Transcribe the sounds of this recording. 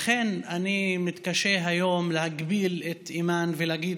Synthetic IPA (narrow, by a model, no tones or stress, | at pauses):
χenanimit̪kaʃeɦajo̞mlehaɡbilet̪imanveleaɡid̪